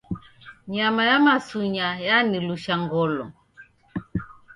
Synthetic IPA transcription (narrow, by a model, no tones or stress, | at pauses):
ɲamajamasuɲajaniluʃaŋɡɔlɔ